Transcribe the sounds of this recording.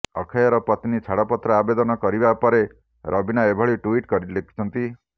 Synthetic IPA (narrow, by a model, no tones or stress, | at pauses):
ɔkʰajɔɾɔpɔt̪nit͡ʃʰaɽɔpɔt̪ɾɔabed̪ɔnɔkɔɾibapɔɾe | ɾʔɔbinaebʱɔɭiʈuiʈkɔɾilekʰi̥t͡ʃʰɔnt̪i